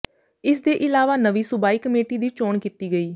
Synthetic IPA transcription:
ɪsd̪eːʔɪlaːʋaːnəʋiːsʊbaːiːkəmeːʈiːd̪iːt͡ʃoːɳkiːt̪iːɡəiː

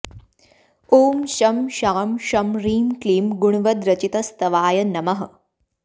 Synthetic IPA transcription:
oːmɕɐmɕaːmɕɐmɾiːmkliːmɡuɳ̃ʋɐd̪ɾɐt͡ɕit̪ɐst̪ɐʋaːjɐnɐmɐɦɐ

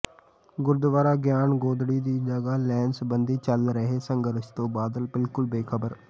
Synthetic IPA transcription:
ɡʊɾd̪ʋaːɾaːɡjaːnɡoːd̪ɽiːd̪iːd͡ʒəɡaːlɛːnsbənd̪iːt͡ʃəlɾəɦeːsəŋɡəɾʃt̪õːbaːd̪əlbɪlkʊlbeːkʰəbəɾ

